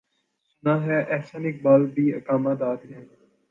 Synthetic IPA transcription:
nãɦɛʔɛːsaːnɪk̚baːlbʱiːəkaːmaːd̪aːɾɦɛ̃ː

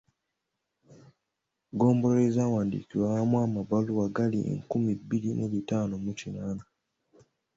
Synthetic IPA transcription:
ɡoːmboɾezawandḭkiwahamwamabaluwaɡaliḛŋkumibilimuβitanomut͡ʃinana

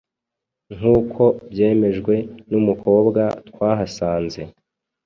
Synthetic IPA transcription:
ŋ̥uːkʰo̞bje̞ːme̞ʒɡwe̞numukʰo̞ːbɡat̪kwaːɦasaːnze̞

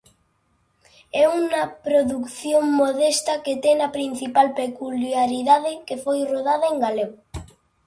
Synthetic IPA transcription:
ɛunɐpɾoðukθjoŋmoðest̪ɐket̪ɛŋɐpɾin̟θipalpekuljaɾiðaðekefojroðaðɐeŋɡalew

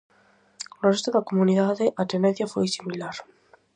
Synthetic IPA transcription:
lorest̪oðakomuniðaðeʔat̪eneθjafojsimilaɾ

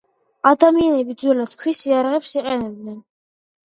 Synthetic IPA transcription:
ad̪amianɛbid̪zwɛlad̪̥kʰwisiaɾaʁɛpsiqʼɛnɛb̚d̪nɛn

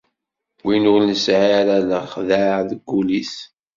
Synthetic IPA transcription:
winʊlnəsʕaɾæləχðaðəɡːuliθ

